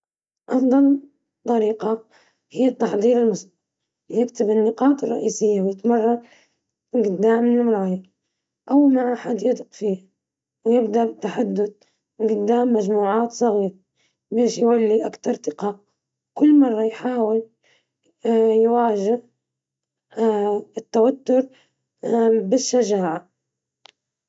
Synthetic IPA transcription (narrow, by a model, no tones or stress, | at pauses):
ʔɑfd̪ˤɑl | t̪ˤːɑɾiːqɑ | hɪjːat̪ːɑħd̪ˤiːɾɪlmʊs | jɪkt̪ɪbɪnːɪqɑːt̪ɪrˤːɑ̰ʔiːsɪjːawjɪt̪mɑrˤːɑ | ɡɪd̪ːaːmːɪnɪmɾˤɑːja | ʔawmaʕaħad̪jat̪qfiː | wjɪbd̪abɪt̪ːaħad̪ːʊd̪̚ | ɡʊd̪ːaːmːad͡ʒmuːʕaːt̪sˤɑɣiːɾ | beːʃjwalːiʔakt̪ɑɾˤt̪ɪqɑːʔ | wkʊlːmɑrˤːɑjħaːwɪl | jwaːʒɪh | ɪt̪ːawat̪ːʊɾ | bɪʃːaʒaːʕa